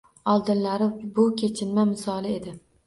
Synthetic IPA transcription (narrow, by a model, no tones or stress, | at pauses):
ɒlˠd̪ɪnlaɾɪbʊkʲʰe̞t͡ʃʰɪnmamɪsɒlˠɪe̞d̪ɪ